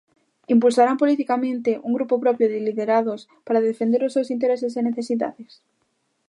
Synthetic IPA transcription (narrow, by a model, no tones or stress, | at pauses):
impulsaɾampolit̪ikamẽnt̪eʔuŋɡɾupopɾɔpɾjoðɪliðeɾaðos | paɾaðefend̪eɾoʊsews̬int̪̬eɾeseseneθesiða̰ðes